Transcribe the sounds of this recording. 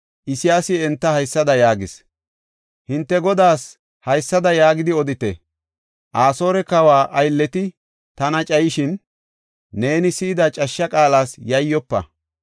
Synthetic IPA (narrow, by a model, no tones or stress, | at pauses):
ʔɪsɪjaːsɪɛnt̪ːɐhɐjsːɐd̪ɐjaːɡɪs | hɪnt̪ːɛɡɔd̪aːs | hɐjsːɐd̪ɐjaːɡɪd̪ɪɔd̪ɪt̪ɛ̰ | ʔaːso̞ːɾɛkɐwaːʔɐjlːɛt̪ɪ | t̪ɐnɐt͡ʃʼɐjɪʃɪnː | e̞ːnɪsiːd̪ɐt͡ʃʼɐʃːɐkʼaːlaːsjɐjːɔpːɐ̰